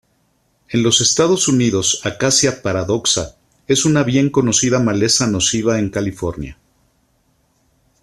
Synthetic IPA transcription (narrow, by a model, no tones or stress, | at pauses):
e̞nlo̞se̞st̪að̞o̞suniðo̞sakasjapaɾaðo̞ksa̰ | e̞sunaβje̞ŋko̞no̞siðamale̞sano̞siβae̞ŋkalifo̞ɾnja̰